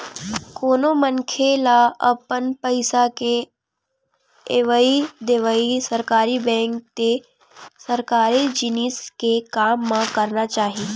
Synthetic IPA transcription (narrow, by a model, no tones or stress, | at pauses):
koːnomənkʰelaɐpənpəɪsake | eʋəid̪eʋəisɐɾkaːɾibɛ̃ːŋk̚t̪e | sɐɾkaːɾid͡ʒɪniskekaːmːãkəɾnat͡ʃaːɦiː